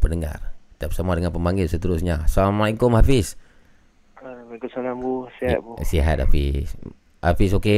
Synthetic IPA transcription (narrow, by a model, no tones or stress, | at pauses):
pənəŋa̰rt̪ap̚samadəŋanpəmbaŋɡɪlsət̪əɾusɲasamaiŋkomɦafɪs | bakusalambusiɦa̰t̪̚busiɦa̰t̪̚ha̰fis | ha̰fisoke